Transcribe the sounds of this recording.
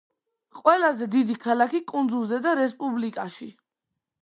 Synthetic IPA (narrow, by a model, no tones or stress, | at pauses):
qʼwɛlazɛd̪id̪ikʰalakikʼund̪zulˠzɛd̪aɾɛspʼublikʼaʃi